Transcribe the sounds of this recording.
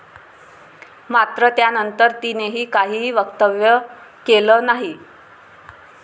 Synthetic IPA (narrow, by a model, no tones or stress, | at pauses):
mat̪ɾət̪janənt̪əɾt̪ineɦiːkaɦiːʋəɡt̪əʋjəkeləːnaɦi